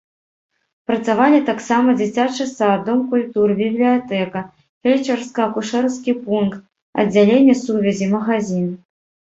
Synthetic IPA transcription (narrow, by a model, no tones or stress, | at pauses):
pɾɐt̪savalʲit̪aksamɐd͡zʲit͡sʲat͡ʂɨsad̪ɔmkulʲt̪urbʲiblʲijat̪ɛkɐ | fʲejt͡ʂɛrskɐkuʂɛrskʲipunkt̪̚ | ɐ̰dd͡zʲːalʲenʲːɛsuvʲɛzʲimɐɣazʲin